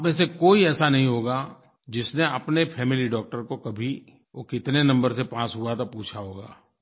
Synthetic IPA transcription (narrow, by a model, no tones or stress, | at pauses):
pmẽsekoːiɛːsanɐɦĩɦoːɡa | d͡ʒɪsneɐpnefʰɛːmɪliɖɔːk̚ʈəɾkokɐbʱi | okɪt̪nenɐ̃mbəɾsepãːsɦuat̪ʰapuːt͡ʃʰaɦoːɡaː